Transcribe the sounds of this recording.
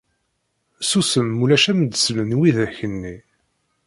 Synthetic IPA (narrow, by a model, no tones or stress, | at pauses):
susəmːulæʃæmd̪slənwiðæçənːi